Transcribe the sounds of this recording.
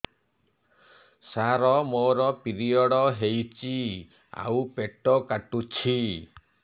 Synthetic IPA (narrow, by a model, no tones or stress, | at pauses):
saɾɔmoɾɔpiɾiɔɽɔɦejt͡ʃi | a̰wpeʈɔkaʈut͡ʃʰi